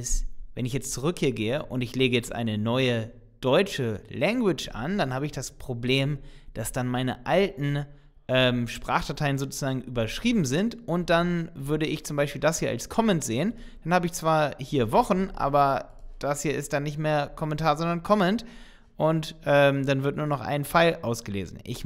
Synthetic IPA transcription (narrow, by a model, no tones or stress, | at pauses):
ɪsvɛnɪçjɛt͡stt͡suʁʏkhiːɐɡeːəʔʊntɪçleːɡəjɛt͡stʔa̰ɪnənɔʏə | d̥ɔʏt͡ʃəlɛŋɡwɪt͡ʃʔa̰nd̥anhaːbəɪçd̥aspʁ̥obleːmd̥asd̥anmaɪnəʔaltn̩ | ʔɛːmʃpʁ̥a̰ːχd̥atʰaɪənzoːt͡suzaːɡŋ̩ʔyːbɐʃʁ̥iːbm̩zɪntʔʊnt̚d̥anvʏɐɾəɪçt͡sʊmbaɪʃpiːldashiːɐʔa̰lskʰɔmɛntz̥eːən | d̥anhaːbəɪçt͡sv̥aːɐhiːɐvɔχn̩ʔa̰ːbɐ | d̥ashiːɐɪst̚d̥anːɪçtmeːɐkʰɔmɛntʰaːɐzɔndɐnkʰɔmɛnt | ʔʊntʔɛːmdanvɪɐtnuːɐnɔχʔa̰ɪnfaɪlʔaʊsɡ̥əlḛːzn̩ʔɪ̰ç